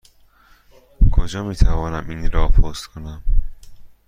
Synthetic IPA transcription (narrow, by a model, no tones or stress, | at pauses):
kʰod͡ʒɒːmiːt̪ʰævɒːnæmiːnɾɒːpʰost̪kʰonæm